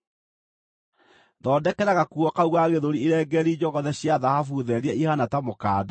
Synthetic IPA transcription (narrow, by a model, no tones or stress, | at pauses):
ðɔːdɛkɛɾaɣakuɔkauɣaɣeðoɾieɾɛːɡɛɾid͡ʑɔɣɔðɛɕjaðahafuðɛɾeɛihanatamokaːda